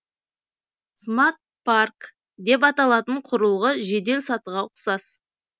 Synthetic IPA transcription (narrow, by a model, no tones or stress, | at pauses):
smart̪̚park | d̪e̞p̬ɑt̪ɑlˠɑt̪əɴqʰʊɾəlˠʁəʒe̞d̪e̞lʲsɑt̪əʁɑʊqsɑs